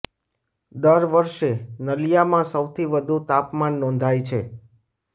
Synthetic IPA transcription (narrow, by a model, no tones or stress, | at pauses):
d̪əɾʋəɾʃenəlijamãsəwt̪ʰiʋəd̪ʱut̪apmanːɔ̃nd̪ʱajt͡ʃʰe